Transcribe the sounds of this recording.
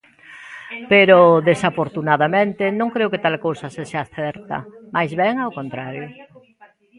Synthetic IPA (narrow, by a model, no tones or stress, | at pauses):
peɾoðesafoɾt̪unaðamẽnt̪ɪnõŋkɾeʊket̪alkowsɐseʃaːθɛɾt̪ɐ̰majzβɛŋawkont̪ɾaɾjʊ